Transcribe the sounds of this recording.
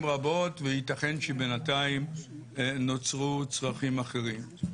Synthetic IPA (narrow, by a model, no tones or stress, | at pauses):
mʁabo̞tvehitaχe̞nʃebenataim | not͡sʁut͡sʁaχimaχeʁim